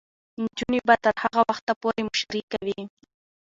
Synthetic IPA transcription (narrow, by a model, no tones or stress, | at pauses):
nt͡ʃʊnibat̪aɾhɑɢɑwɑχt̪apʊɾɪmʊʃaɾikawi